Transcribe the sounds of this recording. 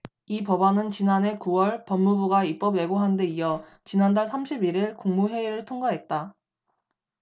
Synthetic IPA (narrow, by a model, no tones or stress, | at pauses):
ipʌbanɯnt͡ɕinanɦe̞kuwʌɭpʌmːubuɡaip͈ʌbe̞ɡoɦande̞ijʌ | t͡ɕinandaɭsʰamɕʰibiɾiɭkuŋmuɦwe̞iɾɯɭtʰoŋɡaɦe̞t̚t͈a